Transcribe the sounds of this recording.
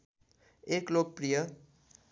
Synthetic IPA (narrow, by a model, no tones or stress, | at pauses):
eklok̚prijʌ